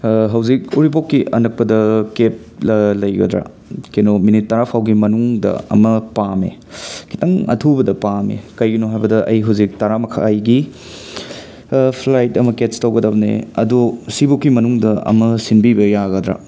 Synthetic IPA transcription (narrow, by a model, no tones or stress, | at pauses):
ɦɐwzikuɾipokːiɐnɐk̚pɐdɐkep̚lɐjɡɐ̰dɾa̰ | kenominitːɐɾapʰawɡimɐnuŋdɐ̰ɐ̰mɐpamḛ | kʰi̥tɐŋɐ̰tʰubɐdɐpamḛkɐjɡinoɦajbɐdɐʔɐjɦɐwzik̚tɐɾamɐkʰa̰ːjɡi | pʰlajtɐmɐkestɐwɡɐdɐbnḛɐdusibokːimɐnuŋdɐɐ̰mɐsinbibɐjaɡɐd̪ɾa̰